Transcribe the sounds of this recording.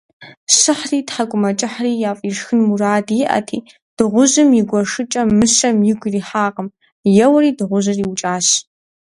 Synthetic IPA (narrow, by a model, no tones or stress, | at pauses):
ɕɨħriːtħakʷʼʊmɐt͡ʃʼɪħriːjaːfʼiːʂxɨnmuraːdjɪʔɐ̰tʰiː | d̥ɨʁʷʊʑɨmjɪɡʷɔʂɨt͡ʃʼɐmɨɕɐmjɪɡʷriːħaːqəm | jɛwɐriːdɨʁʷʊʑɨriːwʊt͡ʃʼaːɕ